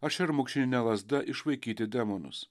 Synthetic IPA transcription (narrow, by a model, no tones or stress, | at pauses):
ɐʃɪɾmʊkʃʲɪnʲɪnʲɛlˠɐzd̪ɐʔɪʃʋɐɪkʲiːt̪ʲɪd̪ʲɛmonʊ̰s